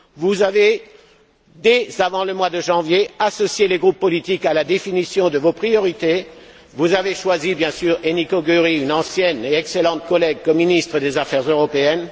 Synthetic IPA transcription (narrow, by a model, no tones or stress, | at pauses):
vuzave | d̪ezavɑ̃ləmwad̪əʒɑ̃vjeasɔsjeleɡʁupːɔlit̪ikalad̪efinisjɔ̃d̪əvopχijɔʁit̪e | vuzaveʃwazibjɛ̃syʁenikɔɡyʁiynɑ̃sjɛneɛkselɑ̃t̪̚kɔlɛɡ̚kɔminist̪χəd̪ezafɛʁzøʁɔpeɛn